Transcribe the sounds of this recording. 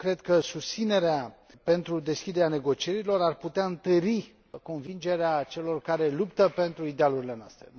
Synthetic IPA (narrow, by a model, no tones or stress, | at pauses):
kɾe̞d̪kəsust̪sine̞ɾeape̞nt̪ɾud̪e̞skʲid̪e̞ɾeane̞ɡo̞t͡ʃie̞ɾilo̞ɾarput̪eaɨnt̪əɾi | ko̞nvind͡ʒe̞ɾeat͡ʃe̞lo̞rkaɾe̞lupt̪əpe̞nt̪ɾuid̪ealuɾile̞noa̰st̪ɾḛ